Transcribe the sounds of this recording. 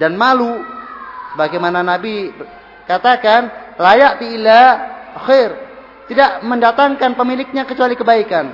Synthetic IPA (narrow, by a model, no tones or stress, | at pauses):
danmalu | səbaɡajmananabi | kat̪akanlajaʔt̪iːlaxejr | t̪idaʔməndat̪aŋkanpəmilɪk̚ɲakət͡ʃualikəbaikan